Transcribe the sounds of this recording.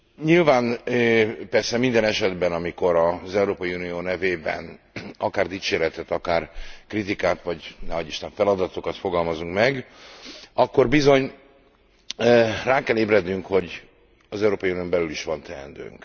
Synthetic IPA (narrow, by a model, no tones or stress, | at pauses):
ɲilvaːn | pɛrsɛmind̪ɛnɛʃɛd̪bɛnɒmiko̞ɾɒzɛuɾoːpɒjiunijoːnɛveːbɛ̰n | ɒkaːrd̪iːt͡ʃeːɾɛt̪ɛt̪ɒkaːrkrit̪ikaːt̪ʋɒɟnɛɦɒɟiʃt̪ɛɱfɛlɒd̪ɒt̪o̞kɒt̪fo̞ɡɒlmɒzuŋkmɛɡ | ɒkːo̞rbizo̞ɲ | raːkɛleːbrɛd̪nyŋkho̞ɟ | ɒzɛuɾoːpɒjunijo̞mbɛlyliʃʋɒnt̪ɛɛ̰nd̪ø̰ːŋk